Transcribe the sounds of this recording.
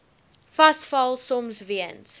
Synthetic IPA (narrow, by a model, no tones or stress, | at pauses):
fɐsfɐlˠsɔmsviəns